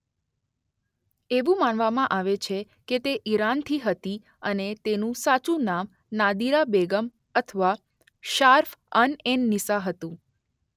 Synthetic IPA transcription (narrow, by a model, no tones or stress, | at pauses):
eʋũmanʋamãʔaʋet͡ʃʰe | ket̪eʔiɾant̪ʰiɦət̪i | ənet̪enũsat͡ʃũnam | nad̪iɾabeɡəm | ət̪ʰəʋa | ʃaɾfənenːisaɦət̪ũ